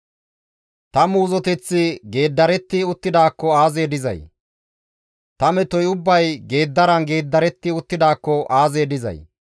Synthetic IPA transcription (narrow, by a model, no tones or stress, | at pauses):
t̪ɐmuːzɔt̪ɛt͡sːɪɡe̞ːd̪ːɐɾɛt̪ːɪʊt̪ːɪd̪aːkːɔaːzeːd̪ɪzɐ̰j | t̪ɐmɛt̪ɔjʊbːɐjɡe̞ːd̪ːɐɾɐnɡe̞ːd̪ːɐɾɛt̪ːɪʊt̪ːɪd̪aːkːɔʔaːze̞ːd̪ɪzɐ̰j